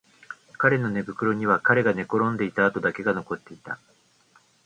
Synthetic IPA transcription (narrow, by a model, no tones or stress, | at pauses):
kaɾe̞no̞ne̞bɯ̟kɯ̟ɾo̞ɲ̟iβakaɾe̞ɡane̞ko̞ɾõ̞nd̪e̞it̪aːt̪o̞d̪ake̞ɡano̞ko̞t̪ːe̞it̪a̰